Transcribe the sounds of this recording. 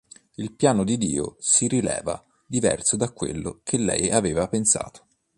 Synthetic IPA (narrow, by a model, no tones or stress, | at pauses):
ilpjaːnod̪id̪ḭːo̰siɾilɛ̰ːva̰ | d̪ivɛ̰rsod̪akːwḛlːo̰kʰelːɛ̰javeːvapensa̰ːt̪o̥